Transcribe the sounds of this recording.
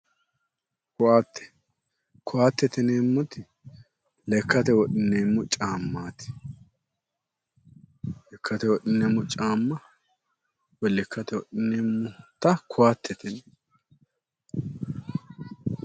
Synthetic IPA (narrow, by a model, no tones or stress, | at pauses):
kʊaːt̪ːɛ̥ | kʰʊaːt̪ːɛt̪ɛnemːʊt̪ɪ | lɛkʰːɐt̪ɛwɔɗɪnːeːmːʊt͡ʃʼaːmːaːt̪ɪ̥ | lɛkʰːɐt̪ɛwɔɗɪnːeːmːʊt͡ʃʼaːmːɐ | wɔlːɪkʰːɐt̪ɛwɔɗɪnːeːmːʊt̪ɐkʰʊaːt̪ʰːɛt̪ɛnɛ